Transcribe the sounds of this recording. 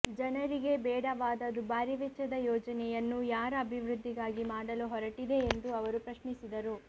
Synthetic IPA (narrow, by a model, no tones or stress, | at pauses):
d͡ʒɐnɐɾiɡe̞bɛːɽɐʋaːd̪ɐd̪ubaːɾiʋɛt͡ʃːɐd̪ɐjɔːd͡ʒɐnɛjɐnːujaːɾɐɐbʱiʋɾud̪ʱːiɡaːɡimaːɽɐluɦɔɾɐʈid̪e̞ːnd̪uɐʋɐɾupɾɐʃnisid̪ɐɾu